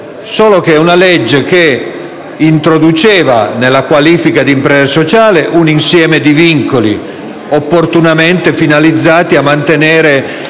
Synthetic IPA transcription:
soːlokeunaled͡ʒːek̟e | int̪ɾod̪ut͡ʃɛːva̰nelːakwaliːfikad̪impɾɛːzasot͡ʃaːleʔuninsjɛːmed̪iviŋkolḭ | opːort̪unament̪efinalid̪zːaːt̪iamːant̪enɛːɾe

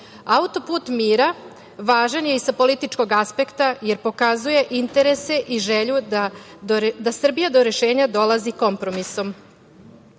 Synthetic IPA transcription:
aut̪o̞puːt̪miːɾa | ʋaːʒanje̞isapo̞lit̪it͡ʃko̞ɡaspe̞kt̪aje̞ɾpo̞kazuje̞ʔint̪e̞ɾese̞ʔiʒeʎud̪a | d̪asr̩bijad̪o̞ɾe̞ʃeːɲad̪o̞lˠaziko̞mpɾo̞miso̞m

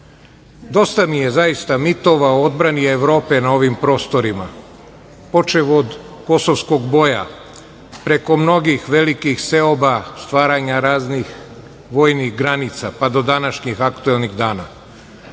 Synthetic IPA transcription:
d̪o̞st̪amije̞zajist̪amit̪o̞ʋaood̪bɾanieʋɾo̞ːpe̞nao̞ʋimpɾo̞ːst̪o̞ɾima̰ | po̞t͡ʃeʋod̪ | ko̞soʋsko̞ɡbo̞ja̰ | pɾe̞ko̞mno̞ɡixʋe̞likixse̞obast̪ʋaːɾaɲaɾaːznix | ʋo̞ːjniɣɡɾanit̪sapad̪o̞d̪anaʃɲixakt̪uelˠniɣd̪aːna

